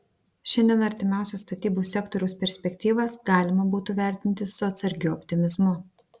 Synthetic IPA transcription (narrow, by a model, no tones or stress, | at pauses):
ʃʲɛnʲd̪ʲiɛnɐɾʲt̪ʲɪmʲæˑʊsʲɛst̪ɐt̪ʲiːbuːsʲɛkt̪ɔɾʲɛʊspʲɛɾʲsʲpʲɛkʲt̪ʲiːʋɐsɡɑːlʲɪmɐbuːt̪uːʋʲæˑɾʲt̪ʲɪnʲt̪ʲɪsʊɐt̪sɐɾʲɡʲʊɔpʲt̪ʲɪmʲɪzmʊ